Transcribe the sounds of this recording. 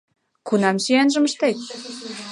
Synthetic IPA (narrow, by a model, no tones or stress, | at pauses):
kunɑmsyænʒə̆məʃt̪et̪̚